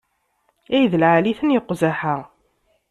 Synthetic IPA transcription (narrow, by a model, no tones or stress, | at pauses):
æjðəlʕaliθənjəqːzaħa